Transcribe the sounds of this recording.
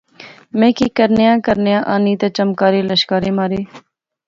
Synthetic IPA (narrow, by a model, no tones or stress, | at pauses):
mẽːkiːkəɾnejãːkəɾnjãːʔaːniːt̪eːt͡ʃəmkaːɾeːləʃkaːɾẽːmaːɾeː